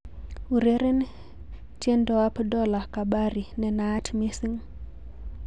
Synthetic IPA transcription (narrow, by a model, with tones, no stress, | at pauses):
u˨ɾe˦ɾe˦n | tje˦ndɔ˨a˦pdɔ˦la˨ka˨ɓa˦ɾi˨nɛ˨naː˦tme˦si˦ŋ